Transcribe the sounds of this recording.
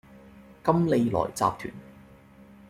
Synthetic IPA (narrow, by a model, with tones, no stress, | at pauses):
kɐ˥mle˨˧jlɔ̰ː˨˩jt͡sa̰ː˧p̚t̪ʰy̰ː˨˩n